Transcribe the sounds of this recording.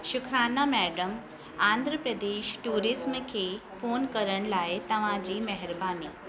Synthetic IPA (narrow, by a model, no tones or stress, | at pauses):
ʃʊkʰɾaːnamɛːɖəm | ãːnd̪ʱɾəpɾɐd̪eːʃʈuːɾɪsmkʰeːfoːnkɐɾəɽ̃laːɪt̪ɐʋ̤ãd͡ʑiːmɐɦɪɾbaːniː